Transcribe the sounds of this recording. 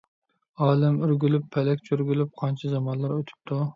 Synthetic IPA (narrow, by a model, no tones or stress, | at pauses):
ɑːlˠɪmyɾɡʲylypʰːɛlɛkʲt͡ʃʰyɾɡʲylyp̚qʰɑnt͡ʃʰɛzɑmɑnlˠɑɾøt̪ʰy̥p̚t̪ʰu